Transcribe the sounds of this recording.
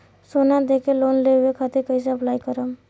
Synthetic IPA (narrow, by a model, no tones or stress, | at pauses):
sonad̪ekeloːnleekʰat̪eɾkəjs̬eɐplaːikəɾəm